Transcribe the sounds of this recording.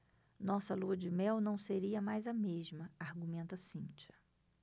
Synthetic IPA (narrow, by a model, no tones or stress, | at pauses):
nɔsɐluɐd͡ʒɪmɛwnɐ̃w̃seɾiɐmajzɐmeʒmɐaɾɡumẽnt̪ɐsĩnt͡ʃɐ̥